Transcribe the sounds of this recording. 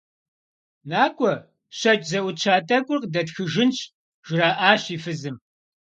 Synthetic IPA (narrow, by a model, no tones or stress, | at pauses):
naːkʷʼɔ | ɕɐt͡ʃʼzɐʔʷʊt͡ʃʰaːtʰʼɐkʷʼʊrqdɐtxɨʒɪnt͡ʃʰʼ | ʒ̥ɪɾaːʔaːɕiːfɨzɨm